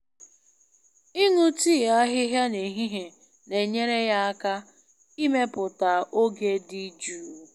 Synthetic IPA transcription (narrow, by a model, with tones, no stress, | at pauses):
i˦nu˦ti˦˨a˦ɦɪ˦ɦja˦ne˨ɦi˦ɦe˨ | ne˨ɲe˦ɾe˦ja˦a˦ka˦ | i˦me˦pʊ˨ta˨o˦ɡe˦di˦d͡ʒuː˦˨